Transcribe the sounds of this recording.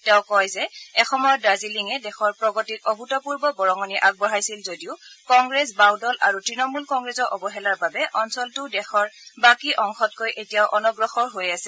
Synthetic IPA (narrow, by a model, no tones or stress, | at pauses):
tɛʊkɔjzɛɛxɔmɔjɔdaziliŋɛdɛxɔɹpɹɔɡɔtitɔbʱutɔpuɹbɔbɔɹɔŋɔniʔaɡ̚bɔɹajsilzodiʊkɔŋɡɹɛs̬bawdɔlʔaɹutɹinɔmulkɔŋɡɹɛzɔʔɔbɔɦɛlaɹbabɛʔɔnsɔltʊdɛxɔɹbakiʔɔŋxɔt̚kojʔetijaʊʔɔnɔɡɹɔxɔɹɦojasɛ